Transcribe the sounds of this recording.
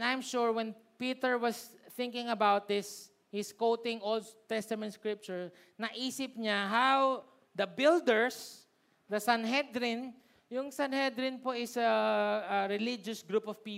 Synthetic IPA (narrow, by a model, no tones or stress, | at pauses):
ajmʃuɹwɛ̃npiːt̪ɛɹwɐsθɪ̃ŋkɪ̃ŋɐbawt̪̚d̪ɪs | hɪskowt̪ɪ̃ŋʔold̪̚t̪ɛst̪ɐmɛnt̪skɹɪp̚t͡ʃʊɹ | nɐʔiːsɪp̚ɲaɦaw | d̪ɐbɪld̪ɛɹs | d̪ɐsanɦɛd̪ɾɪn | jʊŋsanhɛd̪ɾɪnpoʔɪsɐɐɹɛlid͡ʒɔsɡɾupɔvpiː